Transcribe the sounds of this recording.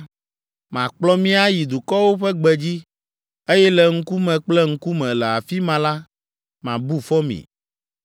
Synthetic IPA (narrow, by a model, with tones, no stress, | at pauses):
mã˨k͡plɔ˦mĩ˦a˦ji˨d̪u˨kɔ˦wo˦ɸɛ˦ɡ͡bɛ˨d͡ʑi˦ | e˦jɛ˦lɛ˨ŋ̩˦ku˦mɛ̃˨k͡plɛ˦ŋ̩˦ku˦mɛ̃˨lɛ˨a˨fi˦mã˨˦la˦ | mã̰˨bu˦fɔ˦mḭ̃˨